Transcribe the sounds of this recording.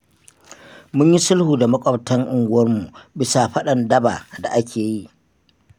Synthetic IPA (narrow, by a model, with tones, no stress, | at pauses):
mʊ˦ɲji˦sʊ˦lhuː˨da˨mɐ˦kʷʼɐ˨btɐ˦ŋʔʊ˨ŋɡʷʊ˦wɐ˦rmu˨bɪ˦sa˨ɸɐ˦ɗɐ˨ndɐ˦ba̰˨da̰˨ʔa˦kʲeː˨ji˦ʔ